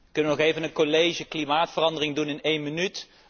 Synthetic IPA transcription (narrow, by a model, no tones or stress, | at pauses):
əkɵnəʋənɔχejvənənkolejʒəklimaːtfərɑndərɪŋdunɪnejnmənyt